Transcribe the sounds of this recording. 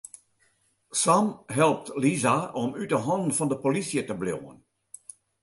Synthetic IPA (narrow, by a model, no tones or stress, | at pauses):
samɦɛlˠp̚tlizaɔmytdəɦɔnənfɑndəpolisjətəbljo̰wə̰n